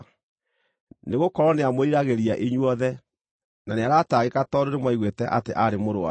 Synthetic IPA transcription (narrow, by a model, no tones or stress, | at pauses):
neɣokɔɾɔneamoiɾaɣeɾiaʔeɲwɔðɛ | naneaɾataɣekatɔɾeɾemwaiɣwetɛʔateʔaɾemoɾoa̰